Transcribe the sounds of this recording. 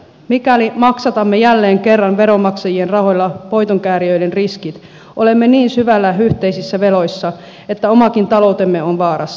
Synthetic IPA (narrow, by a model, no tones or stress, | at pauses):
mikælimɑksɑt̪ɑmːejælːeːŋke̞rːɑnʋe̞ɾo̞mɑksɑjie̞nrɑho̞jlːɑpo̞jt̪oŋkæːɾiø̞jdenriskit̪ | ʔo̞le̞mːeniːnsyʋælːæyht̪e̞ijsisːæʋe̞lo̞jsːɑ | e̞t̪ːæo̞mɑkint̪ɑlo̞wt̪e̞mːe̞o̞nʋɑːɾɑsː